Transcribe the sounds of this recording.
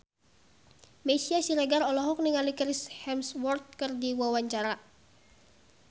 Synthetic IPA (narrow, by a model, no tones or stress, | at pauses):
mɛsiasiɾɛɡarɔlɔɦɔk̚niŋalikɾishɛmswɔrt̪̚kɨrdiwawaɲt͡ʃaɾa